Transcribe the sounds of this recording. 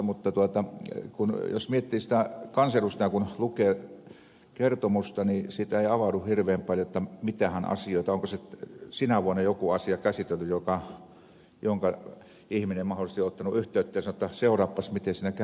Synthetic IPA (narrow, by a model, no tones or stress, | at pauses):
mut̪ːɑt̪uot̪ɑkunjo̰smiet̪ːiːsi̥t̪ækɑnselust̪ɑjɑkunlukeː | kert̪omust̪ɑnisit̪æeˑiɑʋɑduhhirʋeːmpɑljoet̪ːɑmit̪æhænɑ̰sioˑit̪ɑoŋkosesinæʋuɑnːɑjokuɑsiɑkæsit̪elːyjokɑ | joŋkɑ | ihminemɑholˑist̪iot̪ːɑnuyht̪ˑøˑyt̪ːejɑsɑnoet̪ːæseˑorɑpːɑsmit̪esinækæ